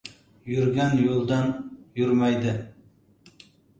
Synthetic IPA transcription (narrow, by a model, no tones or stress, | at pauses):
jyɾɡʲænjolˠd̪ɑnjʊɾmæjd̪ɪ